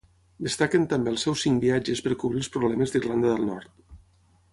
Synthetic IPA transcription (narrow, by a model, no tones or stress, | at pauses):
d̪əst̪akənt̪əmbeəlˠsɛwsiŋkbiad͡ʒəspəɾkuβɾilˠspɾuβlɛməzd̪irland̪əðəlˠnɔ̰ɾt̪